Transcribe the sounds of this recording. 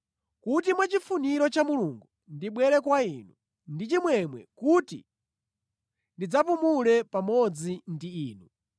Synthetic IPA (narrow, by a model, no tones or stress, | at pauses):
kut̬imwat͡ʃifuniɾɔt͡ʃamuluŋɡu | ndiɓwɛɾɛkwainu | ndit͡ʃimwɛmwɛ̰kutḭ | ndid͡zapumulɛpamɔd͡zindiiːnu